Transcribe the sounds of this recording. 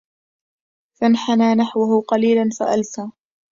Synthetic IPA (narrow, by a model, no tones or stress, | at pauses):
fanħanaːnaħwʊhʊqɑliːlanfa̰ʔalsaː